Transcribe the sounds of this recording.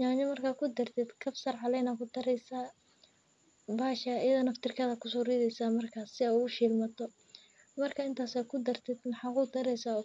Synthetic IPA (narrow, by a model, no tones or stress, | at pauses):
ɲaːɲɐmɐrkʰaːkʰʊd̪ɐrt̪ʰɛd̪kʰɐfsɐrʕɑlɛjnɐkʰʊd̪ɐɾɛjsaː | baːʃɐɪðɐnɐft̪ɪrkʰɐðɐkʰʊs̬ɔriðɛjsaːmɐrkʰaːsːɪauʊʃiːlmɐt̪ʰɔ | mɐrkʰɐɪnt̪ʰaːsaːkʰʊd̪ɐrt̪ʰɛd̪mɑħɑkʊd̪ɐɾɛjsaɔ